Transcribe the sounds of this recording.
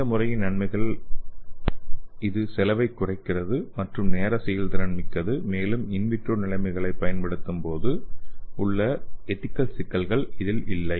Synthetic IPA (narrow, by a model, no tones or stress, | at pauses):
ɐmʊrɐjɪnɐɳmɐɪɣɐɭ | ɪðɯsɛlɐʋɐɪkːʊrɐɪkːɪrɐðɯmɐʈrɯmneːɾɐsɛjɐld̪ɪɾɐɳmɪkːɐðɯmeːlɯmɪnʋɪʈroːnɪlɐɪmɐɪɣɐɭɐɪpːɐjɐnpɐɽɯt̪ːɯmpoːðɯʊɭːɐɛt̪ːɪkːɐlsɪkːɐlɣɐɭɪðɪlɪlːɐɪ